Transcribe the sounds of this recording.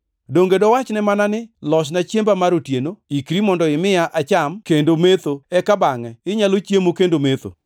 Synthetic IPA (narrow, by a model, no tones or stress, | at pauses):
doŋɡedɔwat͡ʃnɛmananɪlɔʃ̬nat͡ʃjembamaɾotjenoikɾimɔndɔɪmɪjaʔat͡ʃamkendomet̪oɛkabaŋɛɪɲalot͡ʃjemokendomet̪o̰